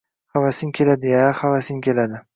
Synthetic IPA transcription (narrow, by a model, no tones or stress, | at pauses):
χavasɪŋkʲʰe̞lad̪ɪjaχavasɪŋkʲe̞lad̪ɪ